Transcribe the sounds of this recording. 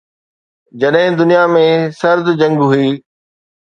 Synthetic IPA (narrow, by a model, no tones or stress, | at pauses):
d͡ʑɐɗɦɪ̃d̪ʊnijamẽsɐɾd̪d͡ʑɐ̃ŋɡɦuiː